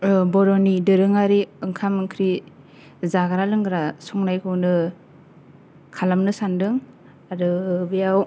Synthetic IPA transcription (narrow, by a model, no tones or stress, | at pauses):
bɔɾɔnidɯɾɯŋaɾiɯŋkʰamɯŋkʰɾi | zaɡaɾalɯŋɡɯɾasɔŋnajkʰɯwnɯ | kʰalamnɯsandɯŋ | aɾɯbijaw